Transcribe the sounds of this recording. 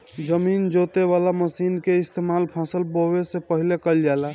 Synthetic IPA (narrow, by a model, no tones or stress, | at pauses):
d͡ʒəmind͡ʒot̪eβalaməsinkeist̪emalpʰasəlbowesepəɦilekəld͡ʒala